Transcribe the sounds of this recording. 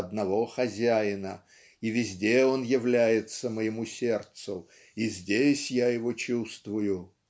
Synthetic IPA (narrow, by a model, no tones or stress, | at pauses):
ɐd̪nɐvo̞xɐzʲæjɪnə | ivʲɪzʲdʲeo̞njɪvlʲæjɪt̪səməjɪmusʲe̞rt̪sʊ | izʲdʲesʲjajɪvo̞t͡ɕust̪vʊjʊ